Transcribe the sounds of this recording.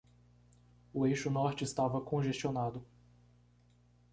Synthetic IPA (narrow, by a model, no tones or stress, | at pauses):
ʊejʃʊnɔɾt͡ʃɪːst̪avɐkõʒest͡ʃionad̪ʊ